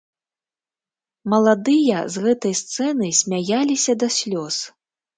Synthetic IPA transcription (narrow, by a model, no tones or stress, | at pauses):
mɐlˠad̪ɨjɐzɣɛt̪ɐjst̪sɛnɨjsʲmʲajalʲisʲɐd̪ɐsʲlʲɔs